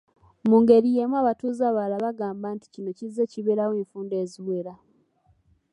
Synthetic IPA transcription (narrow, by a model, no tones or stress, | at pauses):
muːŋɡe̞ɾije̞mwaːβatuːzaːβalaβaɡaːmbaːnti̥cino̞cize̞ciβeɾaweːɱfuːnde̞ːziwe̞ɾa